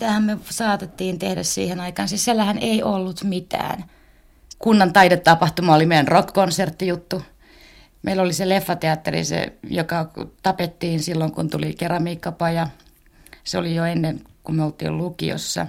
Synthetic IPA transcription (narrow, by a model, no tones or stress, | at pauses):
t̪æhæmmesɑːt̪et̪ːiːnt̪ehdæ̰ssḭːhenɑikɑːnsissielːæhæneiʔolːut̪mit̪æ̰ːn | kunːɑnt̪ɑidet̪t̪ːɑpɑht̪umɑolimeiænrokkonsert̪ːijut̪ːu | mʔeilːoliselefːɑt̪eɑt̪ːerḭsḛjokɑt̪ɑpet̪ːiːnsilːoŋkṵnt̪ulikerɑmiːkːɑpɑjɑ | seolijoenːenkummeolt̪ḭːllukḭo̰sːɑ̰